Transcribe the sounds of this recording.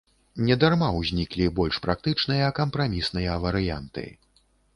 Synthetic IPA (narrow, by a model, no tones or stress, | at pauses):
nʲɛd̪armawzʲnʲiklʲibɔlʲʂpɾak̚t̪ɨt͡ʂnɨjɐkɐmpɾamʲisnɨjɐvɐɾɨja̰nt̪ɨ̰